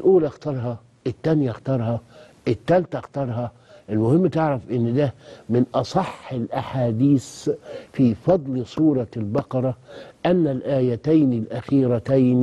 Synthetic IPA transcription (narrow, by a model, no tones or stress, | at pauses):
lʔuːlʔɑxt̪ɑɾˤɦɑ | ɪt̪ːænjaʔxt̪ɑɾˤhɑ | ʔɪt̪ːælt̪æxt̪ɑɾˤɦɑ | ʔɪlmʊhɪmːt̪ɪʕɾafʔɪnːd̪æmɪnʔɑsˤɑħːɪlʔaħaːd̪iːsfiːfɑd̪ˤlsˤuːɾˤɑlbɑqɑɾˤɑʔanːalʔaːjæt̪ajnɪlʔæxiːɾæt̪ajn